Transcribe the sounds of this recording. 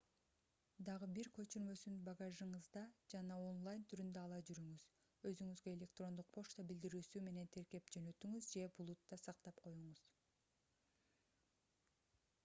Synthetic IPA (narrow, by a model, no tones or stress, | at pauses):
d̪ɑʁɯbiɾkø̞t͡ʃyɾmø̞synbɑɡɑʒɯɴɯzd̪ɑd͡ʒɑnɑo̞nlˠajnt̪ʰyɾynd̪øɑlˠɑd͡ʒyɾyŋyz | øzyŋyzɡøe̞lʲe̞k̚t̪ro̞nd̪uq̚pʰo̞ʃt̪ɑbild̪iɾyːsyme̞ne̞nt̪ʰe̞ɾke̞pd͡ʒø̞nø̞t̪yŋyzd͡ʒe̞bulˠut̪ːɑsɑq̚t̪ɑpqʰo̞juɴuz̥